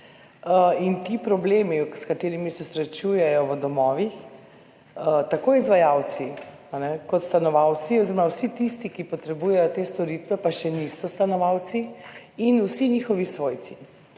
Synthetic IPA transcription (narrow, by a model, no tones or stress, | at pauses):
int̪ipɾɔbleːmikskat̪eːɾimisɛsɾɛt͡ʃujɛjɔʋəd̪ɔmɔːʋix | t̪akoːizʋajawt̪si | anɛkɔt̪st̪anɔʋawt̪siɔzeɾɔmawsit̪ist̪ikipɔt̪ɾɛbuːjɛjɔt̪eːst̪ɔɾit̪ʋɛpaʃɛnisɔst̪anɔʋawt̪siinuwsinixɔʋisʋoːjt̪si̥